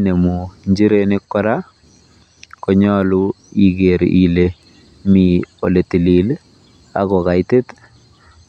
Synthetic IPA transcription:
ne˨mu˨ɲd͡ʒi˦ɾe˦nɪ˦kːɔ˦ɾa˦ | kɔɲɔ˦lu˦i˨ɡe˨ɾi˨le˨ | mi˨o˨le˨ti˨li˨l | a̰˦ɣɔ˨ɣa˨jte˦t̪

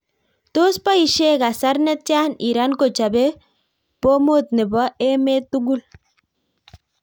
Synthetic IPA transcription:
to˦spa˦i˨ʃe˦ka˨sa˦ɾnɛ˦t͡ʃa˦ni˨ɾa˦nko˨t͡ʃa˨be˦ | po˦mo˦˨t̪̚nɪ˨bɔ˦e˦me˦t̪u˦ɡu˦l

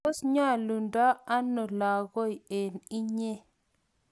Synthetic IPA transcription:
o˦sɲa˦˨lu˨nda˦a˦no˨la˨ɡo˦i˨e˨ni˦ɲe˦

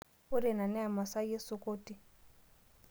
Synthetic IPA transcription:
pʊ˦ɾɛ˨na˨nɛ˦a˨ma˨sa˦je˦sʊ˦ko˦tʼi˦

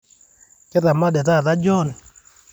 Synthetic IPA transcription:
kɛ˦ða˨ma˦dɛ˨ða˦˨ða˦d͡ʒɔ˦˨n˨

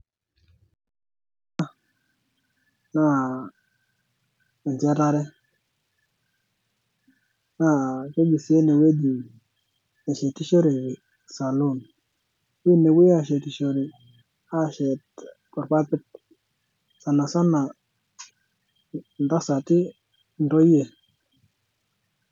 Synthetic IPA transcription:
a˦ | na˦˨ | ɛ˨nd͡ʒɛ˦ta˦ɾɛ˦ | na˦˨ke˦ɡi˨si˨e˦ne˨we˦di˨ | ɛ˨ʃɛ˨ti˦ʃo˦ɾe˨ | sa˨lo˦˨n | wi˦nɛ˨wi˦a˦˨ʃɛ˨ti˨ʃo˨ɾɛ˨ | a˦˨ʃɛ˨t | kɔ˨ɾpa˦pɪ˦t̚ | sa˨na˨sa˦na˨ | nda˦sa˨tɪ˦ | ndɔ˦je˨

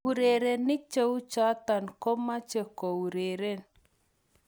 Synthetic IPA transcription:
uɾe˨ɾe˨nːɪ˦k̚t͡ʃe˦u˦t͡ʃa˦t̪a˨nkɔ˦ma˦t͡ʃe˨ko˨u˨ɾe˨ɾe˦˨n

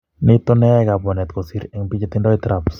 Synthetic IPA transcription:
nɪ˦t̪o˦nɛ˦a˦ɡa˨bɔ˨nɛ˨t̪ko˨si˦ɾɛ˨ŋpi˦d͡ʒe˦t̪ɪ˦ndɔ˦it̪ɾaps

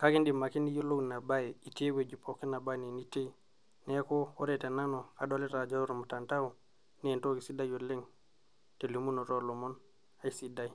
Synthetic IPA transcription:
ka˦ki˦ndi˨ma˨ki˦ni˦ju˦lo˦ɡna˨ba˦ji˨i˨te˦we˨d͡ʒi˨pʰo˨ki˦na˨ba˦ne˨ni˦te˦˨ | ne˦ko˦wo˦ɾe˦˨te˨na˦no˨ka˨do˦le˦ta˨d͡ʒo˦u˦ɾo˨mu˨ta˨nta˦u˨ | ne˨nto˦ki˨si˦da˦jo˨le˦ŋ | te˨li˨mu˦no˨ɾo˨lo˨mo˦n | a˨i˨˦si˨da˦˨i˨

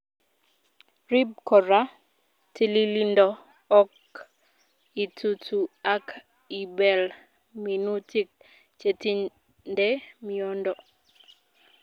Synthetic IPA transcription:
ɾi˦b̚kɔ˨ɾa˦ | ti˦li˦li˦ndɔː˦ | k | i˨tʰu˨tʰu˨a˦k | i˨bɛ˨l | mi˨nu˦ti˦k̚ | t͡ʃe˨ti˦ | ndɛ˦mi˦ɔ˦ndɔ˨

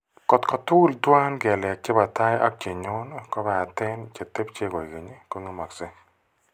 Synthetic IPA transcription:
kɔ˨t̪kɔ˨tʊ˦ldwa˦nɡɛ˨la˨k̚t͡ʃe˦ba˨ta˦ja̰˦k̚t͡ʃe˨ɲʊ˦nkɔ˦bɛ˨a˨tɛ˦nt͡ʃe˨t̪e˦pt͡ʃe˦ɡɔ˨i˨ɡe˨ɲe˦ko˦ŋe˦ma˨kse˦

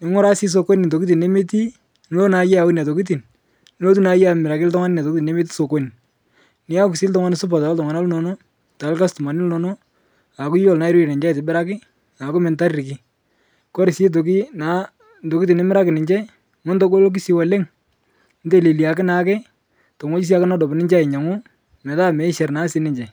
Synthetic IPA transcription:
nɪ˨˦ŋʊ˦ɾa˦si˦s̬o˨ko˦nni˨to˨ki˦ti˨nːe˦me˦ti˦ | n˦o˦na˨jɛ˦a˨wʊ˦n˨a˨to˨ki˦t̬i˨n˦ | o˦t̬u˦na˨˦ja˨mɪɾa˨kɪ˦ltɔ˦ŋa˦nɪ˦na˨to˨ki˦ti˨ne˦me˦t̬i̥˦so˨ko˦ni˨ | nɪ˦a˦ksɪ˦ltɔ˦ŋa˦nɪ˨sʊ˦p̬a˨ta˨˦tɔ˨ŋa˨na˦lno˨no˦ | ta˨˦lka˦stʊ˨ma˨nɪ˦lno˨no˦ | a˨kʊ˦jɔ˨lna˨˦ɪ˦ɾi˦i˨ne˨ɲd͡ʒa˦˨tɪ˨bɪ˦ɾa˦kɪ˦ | a˨kʊ˦mɛ˨nta˦rɾɪ˨kɪ˦ | kɔ˦ɾɪ˨se˦t̬o˨ki˦na˨˦ | ndo˨kɪ˦te˨ne˦mɪ˦ɾa˦kɪ˨nɪ˨ɲd͡ʒɛ˦ | mʊ˦ndɔ˦ko˦lo˦k̬i˦si˨wa˨le˦ŋ | n̩˦de˨le˨li˨a˨kɪ˦na˨˦kɛ˦ | to˨ŋɔ˦t͡ʃi˦s̬ja˦kɪ˦na˦dɔ˨bnɪ˦ɲd͡ʒa˦ɪ˨ɲa˨ŋʊ˦ | mɛ˨ta˦mɛ˨ɪ˦ʃɛ˨rna˦sɪ˦nɪ˨˦ɲd͡ʒɛ˨

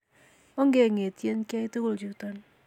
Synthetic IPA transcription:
ɔ˦ŋɡe˨ŋe˨ti˦e˦nka˦i˦to˦ko˦˨ld͡ʒu˨tɔ˦n

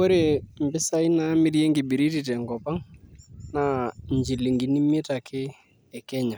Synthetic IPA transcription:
o˦ɾe˨mbɪ˦sa˦i˦naː˦mɪ˦ɾje˦ŋɡɪ˨bi˨ɾi˦ti˦˨tɛ˨ŋɡɔ˨pa˦ŋna˨ɲd͡ʒi˨li˨ŋɡi˨ni˦me˦ta˨kʰɪ˦ | ɛ˨kɛ˦ɲa˨

